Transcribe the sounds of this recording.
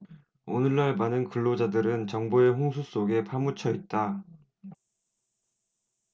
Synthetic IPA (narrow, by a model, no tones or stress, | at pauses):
o̰nɯɭːaɭmanɯnkɯɭːod͡ʑadɯɾɯnt͡ɕʌŋboe̞ɸoŋsʰus͈oɡe̞pʰamut͡ɕʰʌit̚t͈a